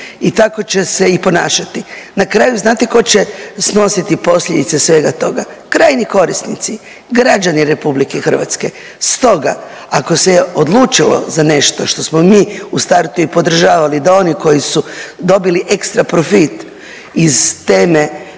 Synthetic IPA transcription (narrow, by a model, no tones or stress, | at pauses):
it̪ako̞t͡ɕe̞se̞ipo̞naːʃat̪inakɾaːjuznaːt̪eko̞t͡ɕe̞sno̞sit̪ipo̞slʎed̪it̪sesʋe̞ːɡat̪o̞ɡakɾaːjniko̞ɾisnḭt̪si | ɡɾad͡ʒaniɾe̞publikexr̩ʋa̰t̪ske̞ | st̪o̞ɡa̰ | ako̞seo̞d̪lˠuːt͡ʃilo̰zane̞ʃt̪o̞ʃt̪o̞smomiːust̪aɾt̪uipo̞d̪r̩ʒaːʋalid̪ao̞niko̞jisud̪o̞biliʔe̞kst̪ɾapɾofit̪ | izt̪eːme̞